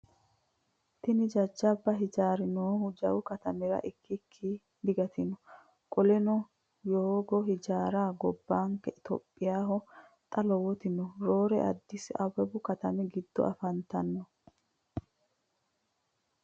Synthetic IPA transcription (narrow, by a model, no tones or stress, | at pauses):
t̪ɪnɪd͡ʒɐd͡ʒːɐbːɐɦɪd͡ʒaːɾɪnoːhʊd͡ʒɐ̰wʊkɐt̪ɐmɛɾɐ̰ʔɪkːɪkʰːi | d̪ɪɡɐt̪ɪnɔ | kʼɔlɛnɔ | joːɡɔhɪd͡ʒaːɾaːɡɔbːaːŋkːɛɪt̪ɔ̰pʼːɪjaːɦɔ | t̪ʼɐlɔwɔt̪ɪnɔɾo̞ːɾɛ̰ʔɐ̰d̪ːɪsɪɐwɛbʊkɐt̪ɐmɛɡɪd̪ːɔ̰ʔɐfɐnt̪ɐnːɔ